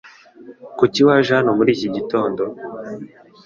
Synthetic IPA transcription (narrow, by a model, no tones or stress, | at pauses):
kuciwaʒanumuɾiːciɟito̞ːndo